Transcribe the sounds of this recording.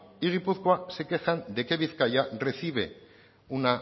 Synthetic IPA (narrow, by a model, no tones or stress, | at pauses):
iɣ̞ipuθkoasekexand̪e̞ke̞βiθkajare̞θiβe̞̰ | una